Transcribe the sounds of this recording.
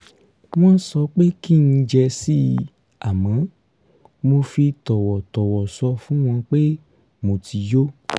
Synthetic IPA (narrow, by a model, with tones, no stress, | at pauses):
w̃ɔ̃˦n̩˦sɔ˧k͡pe˦ki˦˨nĩ˧d͡ʒɛ˧si˦ | a˨mã˨˦ | mo˧fi˧tɔ˨wɔ˨tɔ˨wɔ˨sɔ˧fũ˨˦w̃ɔ̃˧k͡pe˦ | mo˨ti˧jo˦